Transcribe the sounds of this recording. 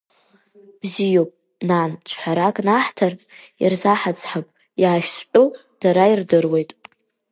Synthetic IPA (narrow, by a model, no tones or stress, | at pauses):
b̥zijopʼ | nant͡ʃʷʰħʷaɾakʼnaħtʰarpʼḭrzaħat͡sʰʼħapʼ | jaːʃst͡pʼu | d̥aɾairdɨrwe̞jtʼ